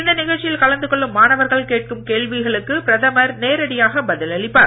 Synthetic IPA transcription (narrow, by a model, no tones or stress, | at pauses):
ɪnd̪ɐnɪɣɐɭʈt͡ʃɪjɪlkɐɭɐnd̪ɯkɔɭːɯmːaːnɐʋɐɾɣɐɭkeːʈ̚kɯmkeːɭʋɪɣɐɭɯkːɯpɪɾɐðɐmɐɾneːɾɐɽɪjaːɣɐbɐðɪlɐɭɪpːaːɾ